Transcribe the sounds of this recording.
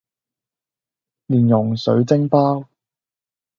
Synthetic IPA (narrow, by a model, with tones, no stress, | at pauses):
liː˨˩njʊ˨˩ŋsɵ˨˥ɥt͡sɪ˥ŋpaː˥w